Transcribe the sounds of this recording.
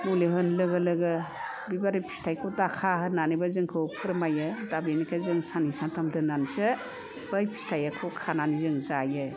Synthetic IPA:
muleɦɯnlɯɡɯlɯɡɯ | bibaɾɯpʰi̥stʰajkʰutakʰaɦɯnanibazɯŋkʰɯwpʰɯɾmajɯdabenikʰazɯŋsanisantʰamdɯnansɯ | b̥ɯjpʰi̥stʰajakʰukʰananizɯŋzajɯ

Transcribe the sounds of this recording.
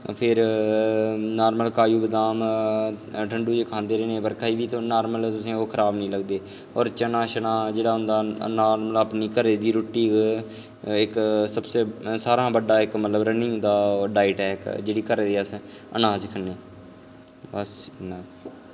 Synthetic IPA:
pʰɪɾ | naːɾməlkaːjuːbəd̪aːm | ʈʰəɳɖuːd͡ʒekʰãːnd̪eːɾːneːbəɾkʰaːiːʋiːt̪oːnaːɾməlt̪ʊsẽːoːkʰəɾaːbnəĩːləɡd̪eː | ɔːɾt͡ʃənaːʃənaːd͡ʒeːɽaːɦʊ̃nd̪aːnaːɾməlaːpniːkəɾeːd̪iːɾoːʈːiː | ɪksəbseːsaːɾãːbəɖaːɪkmət̪ləbɾənĩːd̪aːɖaːɪʈɛːkd͡ʒeːɽiːkəɾed̪eːəs | ə̰naːd͡ʒkʰənːeː | bəsn

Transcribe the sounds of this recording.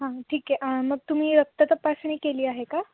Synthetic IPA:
ɦãʈʰiːkeʔəməɡ̚t̪um̤iːɾək̚t̪ət̪əpːasəɳ̃iːkeliːaɦeka

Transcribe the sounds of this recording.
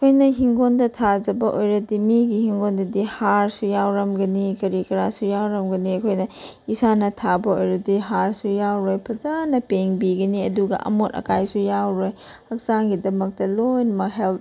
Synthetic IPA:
ɐkʰojnɐɦiŋɡondɐtʰad͡ʒɐbɐʔojɾɐdimiɡihiŋɡondɐdihaɾsujawɾɐmɡɐnikɐɾikɐɾasujawɾɐmɡɐniɐkʰojnɐisanɐtʰabɐojɾɐdiɦaɾsujawɾojpʰɐzanɐpeŋbiɡɐniɐduɡɐ̰ʔɐ̰motɐ̰kajsujawɾoj | ɐk̚saŋɡidɐmɐk̚tɐlojnmɐɦelt

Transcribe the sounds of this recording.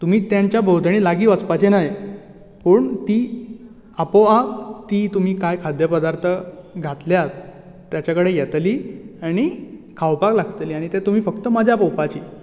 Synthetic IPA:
t̪um̤iːt̪jaɲt͡ɕjabʱəwd̪ʱɽ̃iːlaɡiːʋat͡spat͡ɕenaj | pəɳt̪iː | apoat̪iːt̪um̤iːkajkʰad̪jəpəd̪aɾt̪ʰəɡʱat̪ljat̪ː | jat͡ɕakəɽejɛt̪liːaɽ̃ikʰawpaklaɡt̪liːaɽ̃it̪et̪um̤iːfəkt̪əməd͡ʑʱjapəwpat͡ɕiː

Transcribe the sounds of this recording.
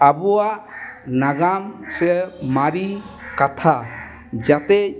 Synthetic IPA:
abuwaʔnaɡamsɛmaɾi | kat̪ʰa | d͡ʒat̪ɛ

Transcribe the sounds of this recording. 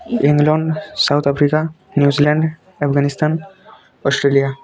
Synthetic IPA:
iŋɡlɔɳɖsawt̪ʰapʰɾika | njuzilãɳɖ | ɛpʰɡanist̪ʰan | ɔsʈɾelija

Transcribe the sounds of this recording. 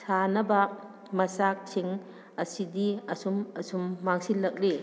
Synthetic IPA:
sanɐbɐ | mɐsak̚siŋ | ɐsidiɐsumɐsumːaŋsilːɐk̚li

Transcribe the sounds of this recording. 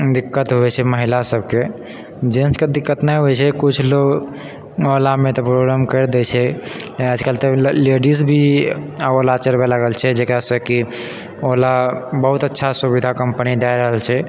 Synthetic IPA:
d̪ikːət̪ɦuɛt͡ʃʰɛməɦilasəbʱke | d͡ʒensked̪ikːət̪nəɦɛt͡ʃʰɛkut͡ʃʰloɡ | olamẽt̪ɔpɾoɡɾamkəɾd̪ɛt͡ʃʰɛəd͡ʒkalt̪ɔleɖisbʱiaolat͡ʃəɾbelaɡəlt͡ʃʰɛd͡ʒekɾasə̃ki | olabəɦut̪ətːʃʰasubid̪ʱakəmpənid̪ajɾəɦəlt͡ʃʰɛ

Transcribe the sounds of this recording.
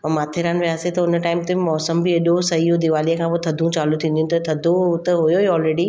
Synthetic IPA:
maːt̪ʰɪɾaːnʋijaːset̪ɐʊnəʈaːɪmt̪emɔːsəmbʱiɐɗosɐɦijod̪ɪʋaːlijə̃kʰãːpoːt̪ʰɐd̪ʱũt͡ɕaːlut̪ʰĩːnd̪ijunɪ̆t̪ɐt̪ʰɐd̪ʱot̪eɦʊjoeɔːlɾeːɖi

